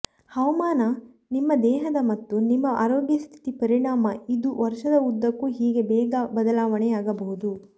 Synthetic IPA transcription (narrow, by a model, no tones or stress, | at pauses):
hɐʋɐmaːnɐ | nimːɐd̪ɛːɦɐd̪ɐmɐt̪ːunimːɐʔaːɾoːɡjɐst̪ʰi̥t̪ipɐɾiɳaːmɐid̪uʋɐɾʂɐd̪ɐud̪ːɐkːuɦiːɡe̞bɛːɡɐbɐd̪ɐlaːʋɐɳɛjaːɡɐbɐɦud̪u